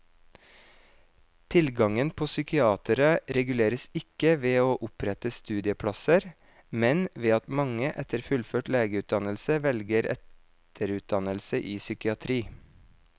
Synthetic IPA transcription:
t̪ʰɪlɡɑŋənpʰoːsʏkɪɑːt̪əɾəɾɛɡʉleːɾəsɪkəʋeːoːʔʊpɾɛt̪əst̪ʉːd̪ɪəpʰɽɑsəɾ | mɛnʋeːɑt̪mɑŋəʔɛt̪ʰəɾfʉlføːʈleːɡəʉːt̪̚d̪ɑnəlsəʋɛlɡəɾʔɛ̰t̪ʰ | əɾʉːt̪̚d̪ɑnəlsəʔiːsʏkɪɑt̪ʰɾiː

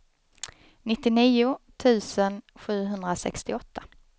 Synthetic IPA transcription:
nɪt̪ːɪniːʊt̪ʰʉ̟ːsənɧʉ̟ːɦɵnd̪ɾasɛ̰kst̪ɪɔt̪ʰːa

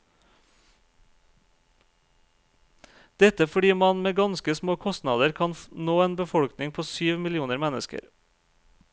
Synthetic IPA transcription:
d̪̥ɛt̪əfɔɖiːmɑnmeːɡɑnskəsmoːkʰɔst̪nɑːd̪əɾkʰɑnnoːeːnbəfɔɽknɪŋpʰoːsyːʋmɪlɪuːnəɾmɛnəskə̰ɾ

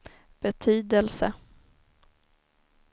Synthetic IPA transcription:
b̥ɛt̪ʰyːd̪əlsə

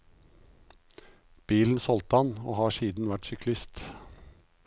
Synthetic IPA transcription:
b̥iːln̩sɔlt̪ɑno̰ːhɑːʃiːd̪n̩ʋæʈsʏkʰlɪst̪

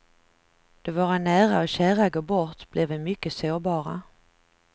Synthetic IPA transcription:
d̪̥ovoːɾanæːɾaɔɕæːɾaɡoːbɔt̪b̥lɛvɛmʏkːəsoːbɑːɾa̰

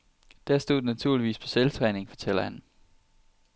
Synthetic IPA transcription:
d̥æɐsd̥o̝ð̰ˠnæt͡sʰuɐliʋḭːspʰɒ̽selt͡sʰʁɛːne̝ŋfɒ̽t͡sʰel̰ɐhæn

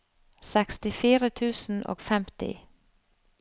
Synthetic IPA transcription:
sɛkst̪ɪfiːɾət̪ʰʉːsn̩ʔo̰ːɡfɛmt̪ɪ̰

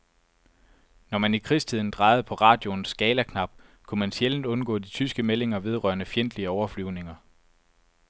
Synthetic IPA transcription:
nɒmænikʰʁist͡sʰið̞̰ˠn̩d̥ʁɑ̈ɪð̩ˠpʰɒ̽ʁɑ̈ːd̥jo̝nsɡ̥ɛːlækʰnɑ̈b̥̚kʰumænsjeln̩d̥ɔ̽nɡ̥ɔ̰ːd̥it͡sʰysɡ̥əmele̝ŋɐʋe̝ð̞ˠʁɶ̰ɐnəfjen̰d̥liəɒʊɐflyʊ̰ne̝ŋɐ

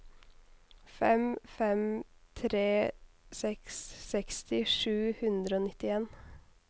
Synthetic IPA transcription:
fɛmfɛmt̪ʰɾeːsɛksːɛkst̪ʰɪʂʉːhʉnd̪ɾəoːnɪt̪ːɪeːn

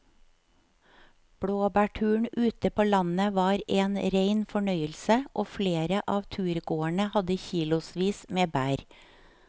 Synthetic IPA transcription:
b̥ɽoːbæːʈʰʉːɳʉːt̪əpʰoːlɑnəʋɑːɾeːnɾeɪnfɔɳœʏəlsəʔoːfleːɾəʔɑːʋt̪ʰʉːɾɡoːæɳəhɑd̪əçiːlʊsʋiːsmeːbæːɾ

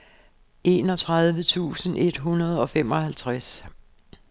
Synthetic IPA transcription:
e̝̰ːnɒt͡sʰʁað̞ˠʋət͡sʰṵːsən̩ʔe̝d̥ɦunɐð̞ˠɒ̽fem̰ɒ̽hælt͡sʰʁas

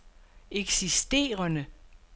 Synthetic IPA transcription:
eɡ̥sisd̥e̝̰ːɐnə

